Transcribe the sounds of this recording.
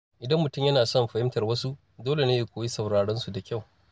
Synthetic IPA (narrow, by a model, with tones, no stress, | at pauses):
ʔɪ˨dɐ˦mːʊ˨tʊ˦˨mjɐ˦naː˨sɔ˦mɸɐ˨hɪ˦mtɐ˨rwɐ˦su˦ʔ | doː˦le˨ne˦jeː˨kʷoː˨ji˦sɐ˨wɽaː˨ɽɛ˦nsu˨da˨kʲa˦˨w